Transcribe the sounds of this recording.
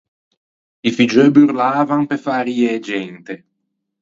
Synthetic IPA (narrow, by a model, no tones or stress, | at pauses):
ifid͡ʒøbyɾlaːvaŋpefaːɾieːd͡ʒɛnt̪e